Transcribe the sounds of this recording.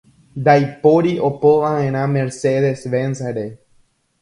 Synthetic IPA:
d̪ajpoɾiʔopoãẽɾ̃ãmeɾseðesʋẽnsaɾe

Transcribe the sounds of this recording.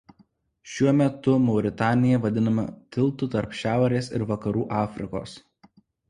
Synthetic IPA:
ʃʲuɔmʲɛt̪ʊmɐʊɾʲɪt̪ɑːnʲɪjɛʋɐd̪ʲɪnɐmɐt̪ʲɪlˠˑt̪ut̪ɐɾpʃʲæˑʊɾʲeːsɪ̰ɾʋɐkɐɾuːʔɑːfʲɾʲɪko̰ːs

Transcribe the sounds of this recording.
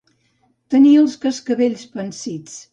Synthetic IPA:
t̪əniəlˠskəskəβeʎspənsit͡s

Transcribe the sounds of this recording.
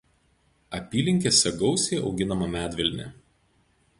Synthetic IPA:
ɐpʲiːlʲɪŋʲkʲesʲɛɡɒʊsʲeːʔɒ̰ʊɡʲɪnɐmɐmʲæːd̪ʲʋʲɛlʲnʲɛ̰

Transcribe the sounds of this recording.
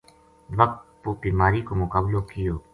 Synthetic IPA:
ʋək̚t̪pobiːmaːɾikomʊkaːblokɪjoː

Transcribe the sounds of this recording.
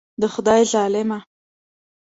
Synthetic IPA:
d̪əxʊd̪ɑjzɑlɪma

